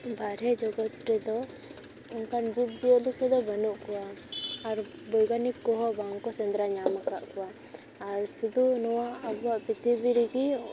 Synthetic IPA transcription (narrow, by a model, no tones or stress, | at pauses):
baɾɛd͡ʒɔɡɔt̪ɾɛd̪ɔ | ɔnkand͡ʒip̚d͡ʒijəʔlukɛd̪ɔbanuʔkɔwaːɾ | bɔjɡanip̚kɔɦɔbaŋkɔsɛnd̪ɾaɲamaka̰ʔkɔwaː | ɾsud̪unɔwaabaʔpit̪ibiɾiɡi